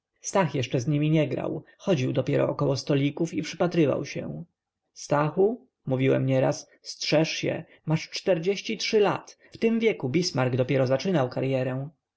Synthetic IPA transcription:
st̪axjɛʂt͡ʂɛzɲimʲiɲɛɡɾa̰w | xɔd͡ʑiwd̪ɔpʲjɛɾɔ̰ːkɔwɔst̪ɔlʲikufipʂɘpat̪ɾɘva̰wɕɛ̰ | st̪axu | muvʲiwɛ̰mɲɛɾa̰sːtʂɛʂɕɛ̰ | maʂt͡ʂt̪ɛɾd͡ʑeɕt͡ɕitʂɘla̰t̪ | ft̪ɘmvʲjɛkubʲismaɾɡd̪ɔpʲjɛɾɔzat͡ʂɘnawkaɾjɛɾɛ̃

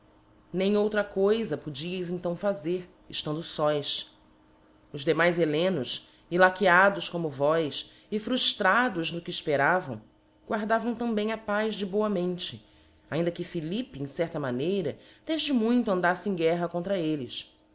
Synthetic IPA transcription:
nẽj̃owt̪ɾɐkojzɐpud͡ʒiɐjzẽt̪ɐ̃w̃fazeɾ | ɪʃt̪ɐ̃nd̪ʊsɔjs | ʊzd̪emajzelẽnʊs | ilakiad̪ʊʃkõmʊvɔjs | ɪfɾuʃt̪ɾad̪ʊznʊkɪːʃpeɾavɐ̰̃w̃ | ɡwaɾd̪avɐ̃w̃t̪ɐ̃mbẽj̃ɐpajzd͡ʒɪboɐmẽnt͡ʃɪ | aĩnd̪ɐkɪfilipɪẽsɛɾt̪ɐmanejɾɐd̪eʒd͡ʒɪmũj̃t̪ʊɐ̃nd̪asɪẽɡɛɦɐkõnt̪ɾɐelɪs

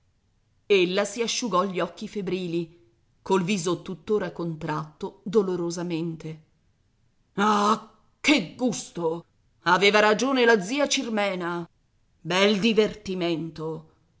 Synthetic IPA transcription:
elːasiaʃːuɡɔʎːiɔkːifebɾiːli | kolviːzot̪ut̪ːoːɾakont̪ɾat̪ːod̪oloɾozament̪e | ma | k̟ːeɡːust̪o | aveːvaɾad͡ʒoːnelad̪zːiːat͡ʃirmɛːna | bɛld̪ivert̪iment̪o

